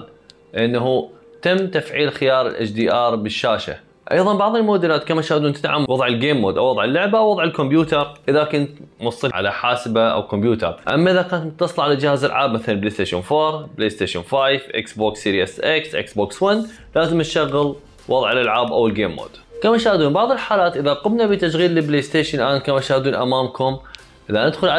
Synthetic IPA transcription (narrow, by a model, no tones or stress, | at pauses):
ʔɪnːaɦu | t̪amːt̪afʕiːlxɪjɑːɾˤɪ̰lʔa̰t͡ʃd̪iːʔɑːɾˤbɪʃːaːʃa̰ | ʔɑ̰jðˤɑnbɑʕðˤɪlmoːd̪ɪlaːt̪kamaʃaːhd̪uːnt̪ɪt̪ʕamːwɑðˤʕɪlɡeːmːoːd̪ʔawɑðˤʕɪlːʊʕbaʔwɑðˤʕɪlkʊmbjuːt̪ɑɾˤʔɪðakʊnt̪mwɑsˤːɨʕa̰la̰ħaːsbaʔa̰wkʊmbjuːt̪ɑ̰ɾˤʔa̰mːaʔɪðakaːnt̪mʊt̪ːɑsˤlʕalad͡ʒɪhaza̰lʕaːbmaθalanbleːst̪eːʃoːnfoːɾbleːst̪eːʃʊnfaːjfʔɪ̰ksboːksiɾiɛsʔaksʔɪ̰ksboːkswan | laːzɪmʃaɣːɪl | wɑðˤʕɪlʔalʕaːbʔa̰wɪlɡeːmːo̰ːd̪̥kamaʃaːhd̪uːnbɑʕðˤɨlħaːlaːt̪ʔɪðaɾˤɑqɪbnabit̪aʃɣiːlːɪbleːst̪eːʃɪnlʔaːnkamaʃaːhd̪uːnʔa̰maːmkʊm | ʔɪðanɪd̪xʊlʕa